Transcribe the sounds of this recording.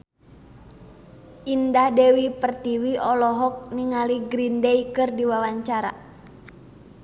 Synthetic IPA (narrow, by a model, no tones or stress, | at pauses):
indahdɛwipərt̪iwiɔlɔɦɔk̚niŋaliɡɾindɛikɨrdiwawaɲt͡ʃaɾa